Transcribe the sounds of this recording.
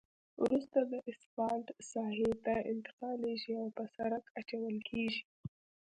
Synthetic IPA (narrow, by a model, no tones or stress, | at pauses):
wɾust̪ad̪əʔɪsfɑlʈsɑhet̪aɪ̰nt̪ɪ̥qɑleʒiawpəsaɾakat͡ʃawəlkʰeʒi